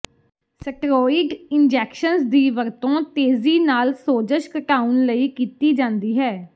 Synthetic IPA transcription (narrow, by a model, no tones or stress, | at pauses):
səʈɾɔːɪɖɪnd͡ʒɛːkʃənsd̪iːʋəɾt̪õːt̪eːziːnaːlsoːd͡ʒəʃkəʈaːunləiːkiːt̪iːd͡ʒãːnd̪iːɦɛː